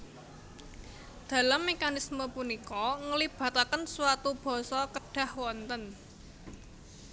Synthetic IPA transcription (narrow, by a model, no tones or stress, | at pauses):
d̪̥a̤lamːekanisməpunikɔŋəlib̥a̤t̪akənswat̪ub̥ɔ̤sɔkəɖ̥a̤hwɔnt̪ən